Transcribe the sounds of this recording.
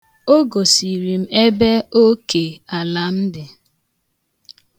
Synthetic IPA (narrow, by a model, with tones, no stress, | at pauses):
o˦ɡo˨si˨ɾi˨m̩˦e˦be˦o˦ke˨a˨la˨m̩˦dɪ˨